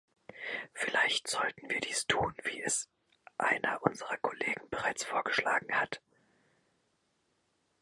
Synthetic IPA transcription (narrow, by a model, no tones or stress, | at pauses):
fɪlaɪçtz̥ɔltn̩viːɐdiːstʰuːnvḭːɛs | ʔa̰ɪnɐʔʊnzəʁɐkʰoleːɡŋ̩bəʁaɪt͡sfoːɐɡəʃla̰ːɡŋ̩hat